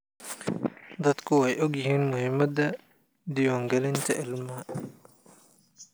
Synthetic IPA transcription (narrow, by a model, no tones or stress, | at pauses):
d̪ɐd̪kʰʊɛjʔɔɡjɪɦiːnmʊhɪmːɐd̪ɐ | d̪ɪjɔːŋɡɐlɪnt̪ʰɐʔɪlmɐɐ